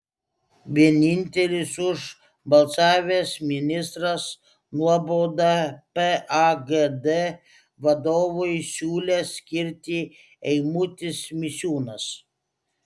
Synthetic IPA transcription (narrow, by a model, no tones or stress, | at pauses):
ʋʲiɛnʲɪnʲt̪ʲɛlʲɪsʊʒ | bɐlˠsɑːʋʲesmʲɪnʲɪst̪ɾɐs | nuɔboːd̪ɑpɛaɡed̪ɛ | ʋɐd̪oːʋʊjsʲuːlʲɛsʲkʲɪɾʲt̪ʲɪ | ɛɪmʊt̪ʲɪsmʲɪsʲuːnɐs